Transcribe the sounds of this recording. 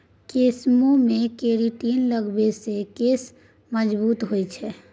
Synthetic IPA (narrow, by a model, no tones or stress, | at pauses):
keːsmõmẽkeːɾiʈiːnləɡbesekeːs | məd͡ʒbuːt̪ɦoit͡ʃʰɛ